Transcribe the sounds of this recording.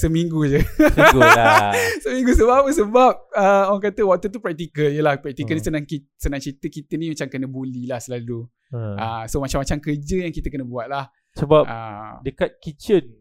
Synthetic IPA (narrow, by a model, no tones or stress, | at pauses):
səmiŋɡud͡ʒəɡ | səmĩŋɡusəbapəsəbap̚əoaŋk̬at̪əwak̚t̪ut̪̬upɾɛk̚t̪ikəljəlahpɾɛk̚t̪ikəlnisənãŋki | sənãŋt͡ʃit̪əkit̪ənĩmat͡ʃamkənəbolilahsəlalu | ʔəsomat͡ʃamːat͡ʃamkərd͡ʒəjaŋkit̪əkənə̃buat̪̚lah | səbaʔa̰dəkat̪̚kit͡ʃən